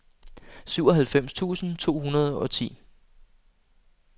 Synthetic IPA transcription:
syʊ̰ɒ̽ɦælfem̰st͡sʰṵːsn̩t͡sʰo̝̰ːhunɐð̞ˠɒ̽t͡sʰḭː

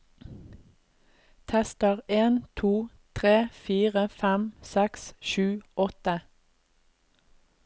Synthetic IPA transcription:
t̪ʰɛst̪əʁeːnt̪ʰuː | t̪ʰʁeːfiːʁəfæmsɛksʃʉːɔt̪ə

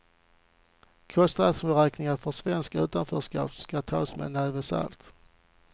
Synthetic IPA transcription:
kʰɔst̪alsmɛɾɛːknɪŋaɾfœʂvɛnskaʉ̟ːt̪anfœːʂkɑ̰ːpskat̪ʰɑːsmɛ̰nɛːvəsa̰lt̪

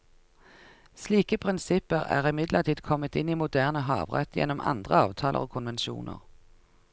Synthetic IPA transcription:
sliːkəpʰʁɪnsɪpəʁæ̰ːʁɪmɪd̪lʔəʁt̪ʰiːd̪kʰɔmət̪ɪniːmʊd̪æːʁnəɦɑ̰ːʋʁɛ̰t̪ʰjɛ̰nːɔmʔɑ̰nd̪ʁəɑ̰ːʋt̪ʰɑːlʔə̰ʁoːkʰʊnʋɛnʃṵːnə̰ʁ

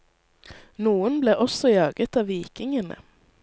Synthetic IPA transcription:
nuːənbleːʔɔsɔjɑːɡət̪ɑːʋiːkɪŋənə̰

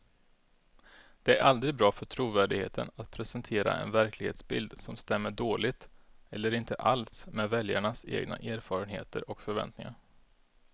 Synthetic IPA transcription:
d̪̥ɛæɾʔald̪ɾɪɡ̚bɾɑːfœʈʰɾuːvæːɖɪɡhḛːt̪ʰənat̪pʰɾɛsɛnt̪ʰeːɾa̰ʔɛ̰nvæɾklɪɡheːt̪sbɪld̪sɔmst̪ɛmːəɖoːlɪt̪ɛlːəɾɪnt̪əʔalsmɛːvɛljaɳasḛːɡna̰ʔæːɾfɑːɾənhḛːt̪ʰəɾɔkfœɾvɛ̰nt̪nɪ̰ŋaɾ

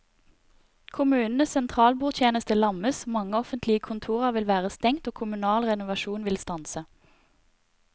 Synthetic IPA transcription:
kʰʊmʉːnn̩əsɛnt̪ʰʁɑːlbuːʁt̪ʰjeːnəst̪əlɑməsmɑŋəɔfənt̪lɪəkʰʊnt̪ʰuːʁɑʋɪlʋæːʁəst̪ɛŋt̪oːkʰʊmʉnɑːlʁɛnʊʋɑʃuːnʋɪlst̪ɑnsə

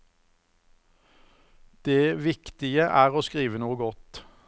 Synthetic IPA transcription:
d̪̥eːʋɪkt̪ɪəʔæːʁoːskʁiːʋənuːəɡɔt̪

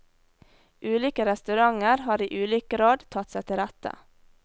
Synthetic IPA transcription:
ʔʉːliːkəɾɛst̪ʉɾɑŋəɾhɑːɾiːʔʉːliːkəɾoːd̪t̪ʰɑt̪sæt̪ʰɪɾæt̪ə̰

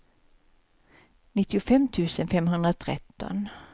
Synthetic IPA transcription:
nɪt̪ːɪʊfɛmt̪ʰʉ̟ːsənfɛmɦɵnd̪ɾat̪ʰɾɛ̰t̪ːɔ̰n

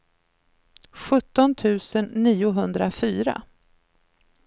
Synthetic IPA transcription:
ɧɵt̪ːɔnt̪ʰʉ̟ːsənːiːʊɦɵnd̪ɾafyːɾa̰

